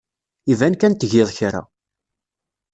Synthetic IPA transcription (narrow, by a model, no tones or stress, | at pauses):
ivænkænt̪ʝɪðˤçɾa̰